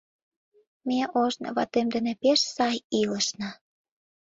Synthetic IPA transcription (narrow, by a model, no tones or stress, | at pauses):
meʔoʒnɤ̰βɑ̰t̪emd̪ə̆nĕpeʃsɑjiləʃnə